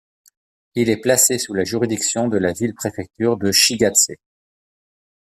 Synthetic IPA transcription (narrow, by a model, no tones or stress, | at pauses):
ilɛplasesulaʒyʁid̪iksjɔ̃d̪əlavilpχefɛk̚t̪yʁd̪əʃiɡat̪se